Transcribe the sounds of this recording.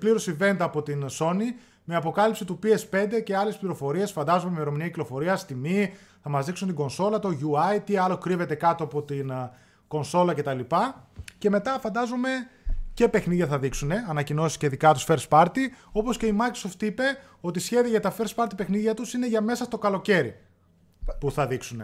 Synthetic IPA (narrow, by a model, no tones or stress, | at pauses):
pliɾo̞sive̞nd̪ɐːpo̞t̪inso̞ni | me̞ɐpo̞kɐlipsit̪upiespe̞nd̪e̞ce̞ɐlespliɾo̞fo̞ɾie̞sfɐnd̪ɐzomeimeɾo̞miniɐciklo̞fo̞ɾiɐst̪imiθɐmɐzðiksunt̪iŋɡo̞nso̞lɐt̪o̞ʝuɐjt̪iɐlo̞kɾive̞t̪e̞kɐt̪oɐpo̞t̪in | ko̞nso̞lɐce̞t̪ɐlipɐce̞me̞t̪ɐfɐnd̪ɐzome̞ce̞pe̞xniðʝɐθɐðiksune̞ɐnɐcino̞sisceðikɐt̪u̥sfe̞ɾspɐɾt̪io̞po̞sce̞imɐɾkɾosoft̪ipe̞ | o̞t̪isçe̞ðiɐʝɐt̪ɐfe̞ɾspɐɾt̪ipe̞xniðʝɐt̪usine̞ʝɐme̞sɐst̪o̞kɐlo̞ce̞ɾi | puθɐðiksune̞